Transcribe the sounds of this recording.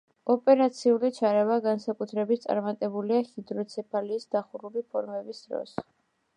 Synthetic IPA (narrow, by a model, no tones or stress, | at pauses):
ɔpʼɛɾat̪sʰiulit͡ʃʰaɾɛvaɡansakʼut̪ʰɾɛbit̪ʰt̪sʼa̰ɾmat̪ʼɛbuliahid̪ɾɔt̪sʰɛpʰaliːsd̪aχuɾulipʰɔɾmɛbisd̪ɾɔ̰s